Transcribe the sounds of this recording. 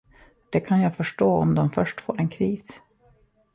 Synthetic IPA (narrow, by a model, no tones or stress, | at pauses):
d̪̥ɛkʰanjaːfœʂʈoːɔ̰md̪ɔmfœʂʈfo̰ːɾɛnkʰɾiːs